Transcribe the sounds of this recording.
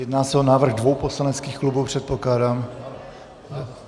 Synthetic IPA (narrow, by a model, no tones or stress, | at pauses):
jɛdnaːsɛo̞naːvr̩ɣdvo̞wpo̞slanɛt͡skiːxklubupr̝̥ɛt̪̚po̞klaːdaːm